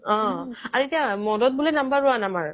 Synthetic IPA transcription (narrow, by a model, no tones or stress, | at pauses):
ɔ̃aɹetijamɔdɔt̚bolɛnambaɹʊanamaɹ